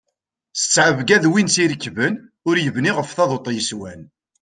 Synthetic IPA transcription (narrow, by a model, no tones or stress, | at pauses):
sə̥t͡sːʕəvɡæðwinsiɾəkːvən | ʊɾjəvniʁəfθɑðˤot̪ˤːjəswæn